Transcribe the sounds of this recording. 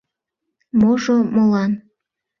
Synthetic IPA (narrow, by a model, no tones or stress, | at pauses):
moʒomolɑn